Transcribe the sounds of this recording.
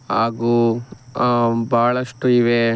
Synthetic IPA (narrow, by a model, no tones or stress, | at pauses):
aːɡu | bʱaːɭɐʂʈuiʋe